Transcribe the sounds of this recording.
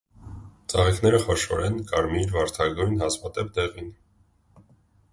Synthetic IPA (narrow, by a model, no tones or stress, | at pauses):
t͡sɑʁikn̪ɛɾəχɔʃɔ̰ɾɛnkɑɾmiɾvɑɾt̪ʰɑɡujnhɑzmɑt̪ɛp̚d̪ɛʁin